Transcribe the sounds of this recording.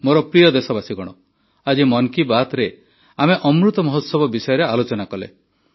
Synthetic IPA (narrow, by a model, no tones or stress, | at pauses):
moɾɔpɾijɔd̪esɔbasiɡɔɽ̃ɔ | ad͡ʒimɔnkibat̪ɾe | ameʔɔmɾut̪ɔmɔɦɔt̪sɔbɔbisɔjɔɾealot͡ʃɔnakɔlḛ